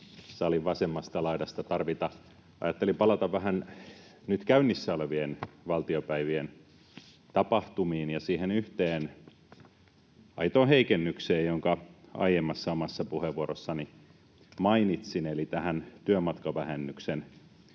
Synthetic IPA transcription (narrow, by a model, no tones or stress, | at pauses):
sɑliʋʋɑsemːɑst̪ɑlɑidɑst̪ɑt̪ɑrʋit̪ɑ | ɑ̰jɑt̪ːelipɑlɑt̪ɑʋʋæhænnyt̪kæynːisːæoleʋienʋɑlt̪iopæiʋien | t̪ɑpɑht̪umiːnjɑsiːhenyht̪eːn | ɑit̪oːheikenːykseːjjoŋkɑɑ̰ijemːɑsːɑomɑsːɑpuheʋʋuoɾosːɑni | mɑinit̪sinelit̪æhænt̪yømɑt̪kɑʋæhenːyksen